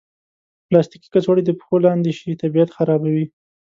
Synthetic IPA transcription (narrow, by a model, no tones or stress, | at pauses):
plɑst̪iki̥kat͡swɑɽid̪əpxolɑnd̪eʃit̪abijat̪xaɾɑbawi